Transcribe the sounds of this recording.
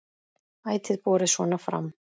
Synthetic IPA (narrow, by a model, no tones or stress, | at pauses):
aːjt̪ʰɪðpɔːɾɪsɔnafɾa̰mː